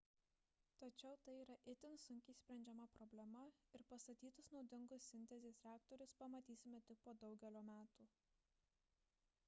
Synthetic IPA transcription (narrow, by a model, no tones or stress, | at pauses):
t̪ɐt͡ʃʲɛʊt̪ɐɪiːɾɐʔɪt̪ʲɪnsʊŋʲkʲiːsʲpʲɾʲɛnʲd͡ʒʲɛmɐpɾɔbʲlʲɛmɐɪɾpɐst̪ɐt̪ʲiːt̪ɐsnɒʊd̪ʲɪŋɡʊsːʲɪnʲt̪ʲɛzʲeːsɾʲæːkt̪ɔɾʲʊspɐmɐt̪ʲiːsʲɪmʲɛt̪ʲɪk̚poːd̪ɒʊɡʲɛlʲoːmʲæːt̪uː